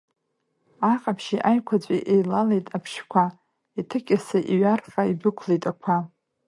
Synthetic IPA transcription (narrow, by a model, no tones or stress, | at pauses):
aqʼapʰʃiʔajkʷʰat͡sʷʼiʔejlalejtʼapʰʃkʷʰa | itʰɨkʲʼasaʔiɥarqʼaibɨkʷʰlejtʼakʷʰa